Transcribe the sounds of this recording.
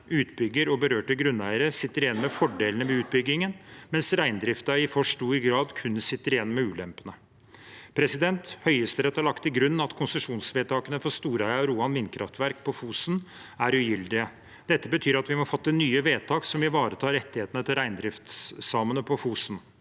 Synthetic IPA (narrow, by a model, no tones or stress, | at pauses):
ʉːt̪bʏɡːəɾɔbəɾøːʈəɡɾʉnæɪəɾəsɪt̪ːəɾɪjɛnmɛfɔɖeːlnəʋɛʉːt̪̚bʏɡɪŋənmɛnsɾæɪnd̪ɾɪft̪ɑɪfɔʂʈuːɪɡɾɑːd̪kʰʉnːsɪt̪ːəɾɪjɛnːmɛʉːlɛmpənə | pʰɾɛsɪd̪ɛnt̪hœʏəst̪əɾɛt̪ːɑɭɑkt̪ʰɪlɡɾʉnːɑt̪kʰʊnsəʂuːnsʋeːt̪ʰɑːkənəfɔst̪uːɾæɪɑɾuːɑnʋɪnːkʰɾɑft̪ʋæɾk̚pʰɔfuːsn | æɾʉjʏld̪ɪə | d̪̥ɛt̪ːəbət̪ʰyːɾɑt̪ʋɪmɔfɑt̪ːənyːəʋeːt̪ʰɑːksɔmɪʋɑːɾət̪ʰɑːɾɛt̪ːɪheːt̪ənət̪ʰɪlɾæɪnd̪ɾɪft̪ssɑːmənəpʰɔfuːsn